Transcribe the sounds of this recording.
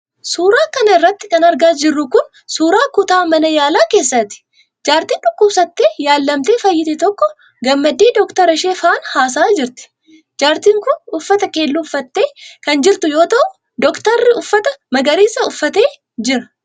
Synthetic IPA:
suːɾaːkɐnɐɪrːɐt̪ːɪkɐnɐɾɡaːd͡ʒɪrːʊkʊn | suːɾaːkʊt̪aːmɐnɐjaːlaːke̞ːsːɐt̪ɪ̥ | d͡ʒaːɾt̪iːnᶑʊkːʊbsɐt̪ːeːjaːlːɐmt̪eːfɐjːɪt̪ɛt̪ɔkːɔ | ɡɐmːɐd̪iːd̪ɔkt̪ɐɾɐʃeːfaːnhaːs̬aːd͡ʒɪɾt̪ɪ̥ | d͡ʒaːɾt̪iːŋkʊnʊfːɐt̪ɐke̞ːlːuʊfːɐt̪ːe̞ːkɐnd͡ʒɪɾt̪ʊjo̞ːt̪ɐʔʊ | d̪ɔkt̪ɐrːɪʊfːɐt̪ɐmɐɡɐɾiːsɐʊfːɐt̪e̞ː | d͡ʒɪɾɐ̥

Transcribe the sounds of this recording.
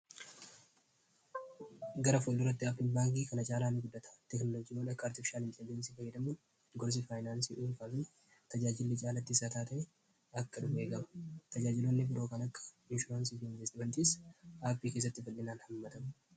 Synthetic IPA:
ɡɐɾɐfoːlːɪrːɐt̪ːɪaːpːɪnbaːŋk̬ʼiːkɐnɐt͡ʃʼaːlaːnɪɡʊd̪ːɐt̪ɐ̥t̪ɛknɔlod͡ʒiːwɔᶑɐkːaːɾt̪ɪfɪ̥ʃaːlɪnt̪ɛlɪd͡ʒɛnsiːfɐjɛd̪ɐmʊn | ɡɔɾs̬ɪfaːjnaːnsiːʔuːlfaːfɪn | t̪ɐd͡ʒaːd͡ʒɪlːɛt͡ʃʼaːlɐt̪ːɪsaːt̪aːt̪ɐʔɛ | ɐkːɐᶑʊbe̞ːɡɐmɐ̥t̪ɐd͡ʒaːd͡ʒɪlonːɪbɪɾo̞ːkɐnɐkːɐ̥ | ɪnʃʊɾaːnsiːfɪnvɛst̪ɪmɐnt̪iːsaːpːiːke̞ːs̬ːɐt̪ːɪfɐlːɪnaːnhɐmːɐt̪ɐm

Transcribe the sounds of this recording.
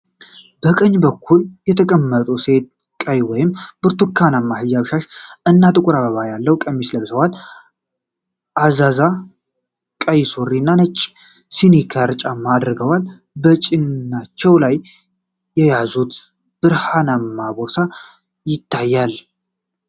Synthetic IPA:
b̥əkʼəɲːbəkʰːuljɛt̪ʰəkʼəmːət̪ʼuse̞t̪̚ | kʼəjwɔjɪmb̥ɨɾt̪ʰukʰːanamːahɨjːaβʃaʃʔɨnːat̪ʼɨkʼʊɾaβəβajalːəwkʼəmːisləβsəwal | ʔazaza | kʼəjsorːinːanət͡ʃʼː | sinikʰaɾt͡ʃʼamad̪ɾɨɡəwal | bət͡ʃʼɪnːat͡ʃːɛwlaj | jːɛjazut̪ | b̥ɨɾhanamːabosa | jɪt̪ʰːajːal

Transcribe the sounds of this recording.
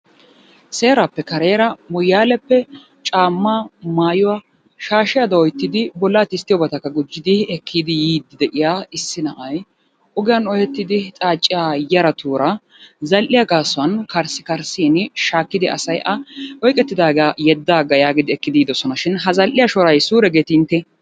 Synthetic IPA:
se̞ːɾɐpːɛkɐɾeːɾɐmʊjːaːlɛpːɛ | t͡ʃʼaːmːaːmaːjʊwɐ | ʃaːʃɪjad̪ɐɔjt̪ːɪd̪ɪbɔlːaːt̪ɪst̪ːɪjɔbɐt̪ɐkːɐɡʊd͡ʒːɪd̪ɪɛkːiːd̪ɪjiːd̪ːɪd̪ɛʔɪjaːɪsːɪnɐʔɐj | ʔʊɡɪjɐnɔhɛt̪ːɪd̪ɪt͡sʼaːt͡ʃʼːɪjaːjɐɾɐt̪uːɾɐ | zɐlʔɪjaɡaːsʊwɐnkɐɾsɪ̥kɐɾsiːnʃaːkːɪd̪ɪʔɐ̰sɐjʔɐɔjkʼɛt̪ːɪd̪aːɡajɛd̪ːaːɡɐjaːɡɪd̪ɪɛkːɪd̪iːd̪ɔsɔnɐʃɪnɦɐzɐlʔɪjɐʃɔɾɐjsuːɾɛɡeːt̪ɪnt̪ːɛ

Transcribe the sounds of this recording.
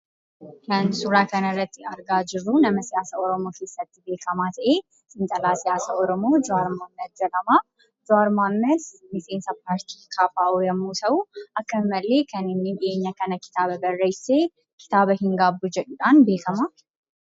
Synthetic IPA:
kʰɐnsʊɾaːkʰɐnɐrːɐt̪ːɪɐɾɡaːd͡ʒɪrːunɐmɐsɪjaːsɐɔɾɔmo̞ːkʰe̞ːsːɐt̪ːɪbe̞ːkʰɐmaːt̪ʰɐʔe̞ː | sʼɪnt̪ʼɐlaːsɪjaːsɐʔɔɾɔmoːd͡ʒʊaːɾmaːmːɐd̪̚d͡ʒɐlɐmaː | d͡ʒʊaɾmaːmːɐd̪mɪseːnsɐpaːɾt̪ʰikʰaːfaːʔojɐmːuːt̪ʰɐwuʔɐkːɐɪmːɐlːe̞ːkʰɐnɪnːid̪ɪʔeːɲːakɐnɐkɪ̥t̪aːbɐbɐrːeseː | kʰɪ̥t̪aːbɐhɪŋɡaːbːud͡ʒɛᶑuᶑanbe̞ːkʰɐmaː

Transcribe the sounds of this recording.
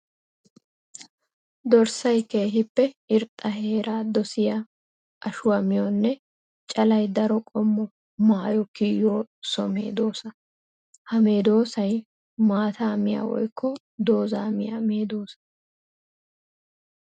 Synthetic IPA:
d̪ɔɾsɐjkeːɦɪpːɛɪɾt̪ʼːɐɦe̞ːɾaːd̪ɔsɪjɐ | ʔɐʃʊwɐmɪjɔnːɛ | t͡ʃʼɐlɐjd̪ɐɾɔkʼɔmːɔ | maːjɔkɪjoːsɔ̰me̞̰ːd̪o̞ːsɐ | hɐme̞ːd̪o̞ːsɐj | maːt̪aːmɪja̰ːwɔ̰jkːɔ | d̪o̞ːzaːmɪjame̞ːd̪o̞ːsɐ̥

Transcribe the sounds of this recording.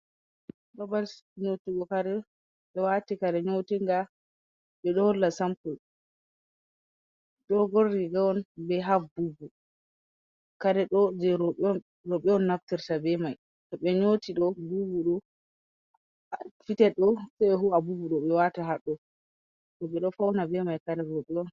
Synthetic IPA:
babalɲotiɡɔkaɾɛ | ɓɛwatikaɾɛɲotiŋɡa | ɓɛɗɔhɔlːasampul | ɗɔɡoɾdiɡawɔnbɛɦafbubu | kaɾɛɗɔd͡ʒɛɾɔɓɔ | ɾoɓɛɔnːaftiɾtabɛmaj | tɔɓɛɲotiɗɔbubuɗɔ | fitɛɗɔsɛɛɦuabubuɗɔɓɛwataɦaɗːɔ | tɔɓɛɗɔfawnabɛmajkaɾɛɾoɓɛɔn

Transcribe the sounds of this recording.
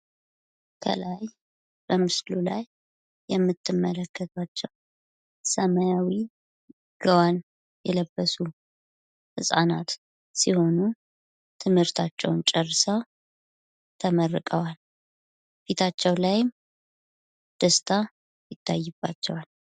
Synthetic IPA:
kʰə̰laj | b̥əmɨslulajː | ɛmːɨt̪ʰːɨmːələkʰːət̪ʼat͡ʃːɛw | səməjawi | ɡ̥əwan | jɛləbːəsu | hɨsʼanat̪ | siho̞nu | t̪ʰɨmhɨɾt̪ʰat͡ʃːɛ̰wnt͡ʃʼərːɨsəw | t̪ʰəmərːɨkʼəwal | fit̪ʰat͡ʃːɛwlajɪm | d̪̥əst̪ʰa | jɪt̪ʰːajːɪb̥ːat͡ʃːɛwal

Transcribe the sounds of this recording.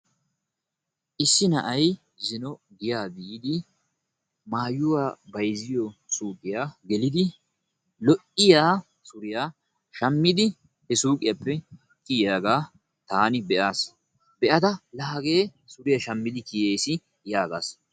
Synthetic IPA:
ʔɪsːɪnɐʔɐj | zɪnɔɡɪjaːbɪd̪ɪ | maːjʊwaːbɐjzɪjɔsuːkʼɪjaːɡɛlɪd̪ɪ | lɔʔɪjaː | sʊɾɪjaː | ʃɐmːɪd̪ɪ | hɛsuːkʼɪjapːɛ | kʼɪjaːɡaː | t̪aːnɪbɛʔaːs | bɛʔɐt̪ɐlɐːɡe̞ː | sʊɾɪjaʃɐmːɪd̪ɪkijeːsɪ | jaːɡa̰ːs

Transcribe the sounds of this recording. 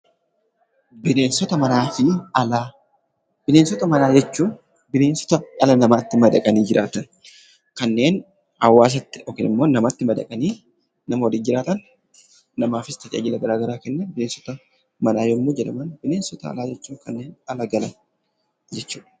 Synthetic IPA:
bɪne̞ːnsɔt̪ɐmɐnaːfɪɐlaː | b̥ɪleːnsɔt̪ɐmɐnaːd͡ʒɛt͡ʃːuːn | bɪle̞ːnsɔ̥t̪ɐɐlɐnɐmaːt̪ːɪmɐd̪ɐkʼɐniːd͡ʒɪɾʔaːt̪ɐn | kɐnːe̞ːn | ɐwːaːs̬ɐt̪ːɪɔkɪnɪ̰mːo̞ːnɐmat̪ːɪmɐd̪ɐ̰kʼɐniː | nɐmɐwɔd̪iːd͡ʒɪɾaːt̪ɐnː | ɐmaːfɪst̪ʰɐt͡ʃʼa̰ːd͡ʒɪlɐɡɐɾaːɡɐɾaːkɛnːɐnbɪleːnsɔ̥t̪ɐ | mɐnaːjoːmːoːd͡ʒɛᶑɐmɐnbɪneːnsɔt̪ɐɐ̰laːd͡ʒɛt͡ʃːuːŋkɐnːeːnɐlɐɡɐlɐn | d͡ʒɛt͡ʃːuːᶑɐ̥

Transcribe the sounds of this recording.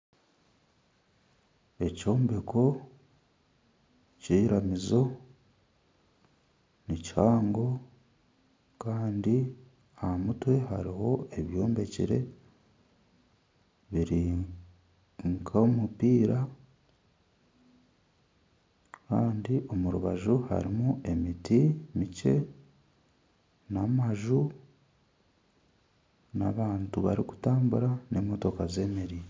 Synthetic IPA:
e̞co̞ːmbe̞kʰo̞ | ciːɾamizo̞ | nicihaːŋɡo̞ | kaːndi | amutwe̞ɦa̰ɾiho̞e̞βjo̞ːmbe̞cḭɾe̞̰ | βiɾi | ŋkʰamupiːɾa | kaːndiʔo̞muɾuβaʒuha̰ɾimuʔe̞mitimice̞ | namaʒu | na̰βaːntuβaɾiku̥taːmbuɾane̞moto̞kaze̞ːmeɾi

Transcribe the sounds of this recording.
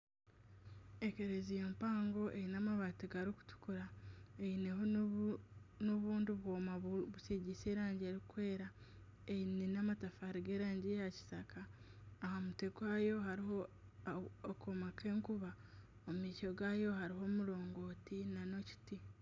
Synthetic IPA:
e̞ke̞ɾezijompaːŋɡo̞ʔejinaːmaβatiɡaɾiku̥tu̥kuɾaejine̞ɦo | noβuːndiβwoːmaβuseɟise̞ːɾaːɲɟeɾikwe̞ːɾa | einenamatafahaɾiɡe̞ːɾaːɲɟijaci̥sakaːhamutekwajo̞ɦaɾiɦoː | komakʰe̞ːŋkuβa | omumiːco̞ɡajo̞haɾiɦo̞ːmulo̞ːŋɡo̞ːtinano̞ci̥ti

